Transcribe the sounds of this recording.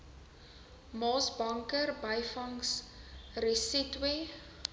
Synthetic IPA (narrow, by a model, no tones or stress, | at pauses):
mɑːsbɐŋkərbɐjfɐŋsrisitwe